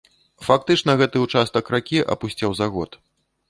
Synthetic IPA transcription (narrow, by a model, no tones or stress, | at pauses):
fak̚t̪ɨt͡ʂnɐɣɛt̪ɨut͡ʂast̪ɐkɾakʲiʔɐ̰pusʲt͡sʲawzaɣɔ̰t̪